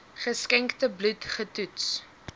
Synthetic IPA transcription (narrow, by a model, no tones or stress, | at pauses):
χəskɛŋktəblutχətuts